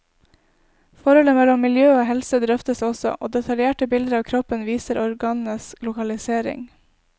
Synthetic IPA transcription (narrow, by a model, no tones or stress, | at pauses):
fɔɾhɔləmɛlɔmːɪljøːoːɦɛlsəd̪ɾœft̪əsɔsɔ̰ʔo̰ːd̪ɛt̪ʰɑljeːʈəbɪld̪əɾɑːʋkʰɾɔpənʋiːsəɾɔɾɡɑːnnəslʊkɑlɪseːɾɪ̰ŋ